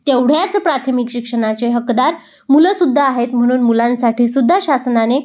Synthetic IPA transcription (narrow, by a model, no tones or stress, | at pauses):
t̪ewɽ̤jat͡səpɾat̪ʰəmikɕikʂəɽ̃at͡ɕeɦəkd̪aɾ | muləsud̪ʱːaːɦet̪m̤əɽ̃uːnmulãnsaʈʰiːsud̪ʱːaɕasnane